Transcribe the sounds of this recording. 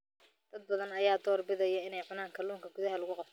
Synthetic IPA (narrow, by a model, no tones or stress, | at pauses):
d̪ɐd̪̚bɐðɐnɐjaːd̪ɔːrbɪðɐjɐɪnɛjʕʊnaːŋkʰɐluːŋkʰɐɡʊðɐɦɐlʊɣʊqɑbt̪ʰ